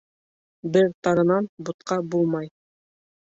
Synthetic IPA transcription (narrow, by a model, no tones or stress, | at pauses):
bɘɾt̪ɑɾɤ̆nɑnbut̪qɑbulˠmɑj